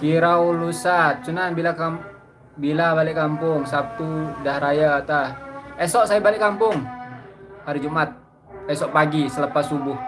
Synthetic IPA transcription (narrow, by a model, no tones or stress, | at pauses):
kiɾaulusat̪̚t͡ʃunanbilaka | bilabalɪʔkampʊŋsap̚t̪udahɾajat̪ahɛsɔʔsajabalɪʔkːampʊŋ | haɾid͡ʒumat̪̚ | ɛsɔʔpaɡisələpasubʊh